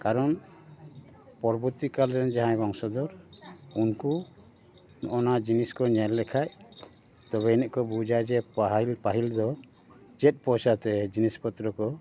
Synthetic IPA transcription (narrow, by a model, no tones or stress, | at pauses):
kaɾɔn | pɔɾbuɾt̪ikalɾɛnd͡ʒaɦãbɔŋsɔd̪ɔɾunku | nɔ̰ʔɔnad͡ʒiniskɔɲɛlːɛkʰaj | t̪ɔβɛinɛʔkɔbud͡ʒad͡ʒɛpaɦlpaɦild̪ɔ | d͡ʒɛt̪̚ˀpɔsat̪ɛd͡ʒinispɔt̪ɾɔkɔ